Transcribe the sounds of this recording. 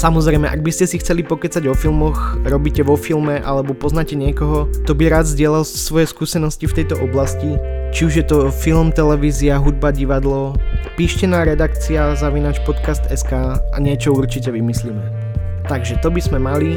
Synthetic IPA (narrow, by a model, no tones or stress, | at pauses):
samɔzɾɛɪmɛ̰ʔa̰ɡ̚biscɛsixt͡sɛlipɔkɛt͡saɟʋɔfilˠmɔxɾɔbicɛʋɔfilmɛʔa̰lɛbɔpɔznacɛɲɪɛkɔɦɔt̪ɔbiɾaːd̪zɟɪɛlalsʋɔjɛskuːsɛnɔscift̪ɛjt̪ɔʔɔblascit͡ʃiuʒjɛt̪ɔfilmt̪ɛlɛʋiːziaɦud̪̚baɟiʋad̪lɔpiːʃcɛnaːɾɛd̪akt͡siazaʋinaːt͡ʃpɔt̪kast̪ɛskaːʔa̰ɲɪɛt͡ʃɔuɾt͡ʃicɛʋimislimɛ | t̪aɡʒɛt̪ɔbizmɛmali